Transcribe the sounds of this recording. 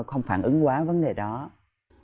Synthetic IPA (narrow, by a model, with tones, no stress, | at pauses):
xə˧wŋ͡mfaː˧˩nʔɨ˨˦ŋkwaː˨˦və˨˦nɗe˨˩ɗɔ˨˦